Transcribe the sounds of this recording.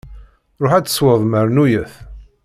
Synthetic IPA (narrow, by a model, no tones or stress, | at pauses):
ɾˤoħæt͡sːə̥swəðˤməɾnujəθ